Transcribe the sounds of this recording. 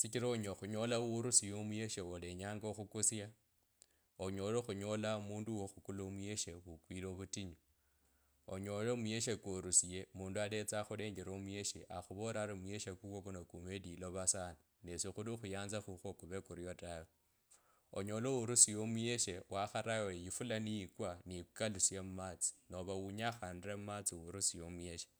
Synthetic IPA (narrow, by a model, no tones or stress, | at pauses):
sikiɾaɲoxuɲo̞lauuɾusijomujeʃeole̞ɲaːŋɡoxukusja | oɲo̞loxuɲo̞lamuːnduwoxukulomue̞ʃeβukwiloβutiɲo | o̰ɲo̞lomuje̞ʃekoɾusije̞muːnduale̞t͡saxule̞ːɲɡeɾomueʃḛʔaxuβoɾaɾimwje̞ʃekukokunokumediloβasani | nesixulixujaːnzaxuxokuβekuɾijo̞tawe | o̰ɲo̞lowuɾusijomuje̞ʃewaxaɾawejifulanijikwanikalusjemumaːt͡si̥noβawuɲaxaːndiremumat͡siwuɾusijomuje̞ʃe̥